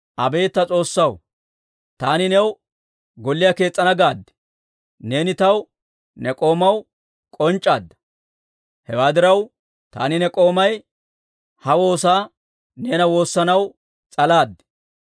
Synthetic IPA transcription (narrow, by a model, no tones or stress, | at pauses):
ʔɐbe̞ːt̪ːɐt͡sʼo̞ːsːɐw | t̪aːnɪnɛw | ɡɔlːɪjɐke̞ːt͡sʼːɐnɐɡaːd̪ːɛ̥ | ne̞ːnɪt̪ɐw | nɛkʼo̞ːmɐw | kʼɔnt͡ʃʼːaːd̪ːɐ̥ | hɛwaːd̪ɪɾɐw | t̪a̰ːnɪnɛkʼo̞ːmɐj | hɐwo̞ːsaː | ne̞ːnɐwo̞ːsːɐnɐw | t͡sʼɐlaːd̪ːɛ̥